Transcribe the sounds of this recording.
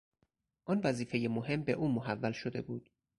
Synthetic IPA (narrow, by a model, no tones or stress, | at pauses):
ʔɔnvæziːfe̞jemoɦe̞mbe̞ʔuːmoɦævːælʃod̪e̞buːd̪̥